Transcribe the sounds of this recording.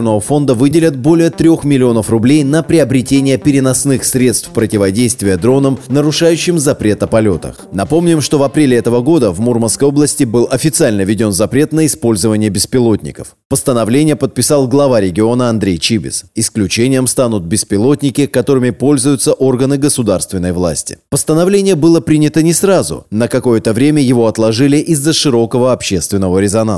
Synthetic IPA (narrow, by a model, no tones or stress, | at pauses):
nəvəfo̞nd̪əvɨdʲɪlʲət̪̚bo̞lʲɪjət̪ɾʲoxmʲɪlʲɪo̞nəfrʊblʲejnəpɾʲɪɐbɾʲɪtʲenʲɪjəpʲɪɾʲɪnɐsnɨxsɾʲe̞t̪st̪fpɾətʲɪvɐdʲejst̪vʲɪjəd̪ɾo̞nəmnəɾʊʂajʉɕːɪmzɐpɾʲet̪ɐpɐlʲo̞t̪ə̰xnɐpo̞mnʲɪmʂt̪o̞vɐpɾʲelʲɪɛt̪əvəɡo̞d̪əvmurmənskəjo̞blˠəsʲtʲɪbɨlˠɐfʲɪt̪sɨalʲnəvʲɪdʲo̞nzɐpɾʲe̞t̪nəɪspo̞lʲzəvənʲɪjəbʲɪspʲɪlˠo̞tʲnʲɪ̰kəf | pəst̪ənɐvlʲenʲɪjəpət̪̚pʲɪsɑlˠɡlˠɐvaɾʲɪɡʲɪo̞nəɐnd̪ɾʲejt͡ɕibʲɪ̰sɪsklʲʉt͡ɕenʲɪjəmst̪anʊt̪̚bʲɪspʲɪlˠo̞t̪̚ʲnʲɪkʲɪkɐt̪o̞ɾɨmʲɪpo̞lʲzʊjʊt̪səʔo̞rɡənɨɡəsʊd̪arst̪vʲɪnːəjvlˠa̰sʲtʲɪ̥̰pəst̪ənɐvlʲenʲɪjəbɨlˠəpɾʲinʲɪt̪ənʲɪsrazʊ̰nəkɐko̞jət̪əvɾʲemʲəjɪvo̞ɐt̪lˠɐʐɨlʲɪʔɪzːəʂɨɾo̞kəvəɐpɕe̞st̪vʲɪnːəvəɾʲɪzɐna